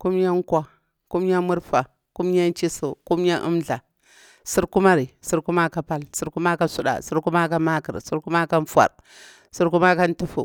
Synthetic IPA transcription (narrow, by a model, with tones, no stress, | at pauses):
ku˦mja˦ŋ˦kwa˨ | ku˦mja˦mu˦ɾfa˨ | ku˦mja˦n˦t͡ʃi˦so˨ku˦m˦ja˦ʔṵ˦mɮa˨ | si˦ɾku˦ma˦ɾi˨si˦ɾku˦ma˦ka˨pa˦lsi˦ɾku˦ma˦ka˦su˦ɗa̰˨si˦ɾku˦ma˦ka˦ma˦kə̰˨ɾsi˦ɾku˦ma˦ka˦n˦fwa̰˨ɾ | su˦ɾku˦ma˦ka˦n˦tu˦fṵ˨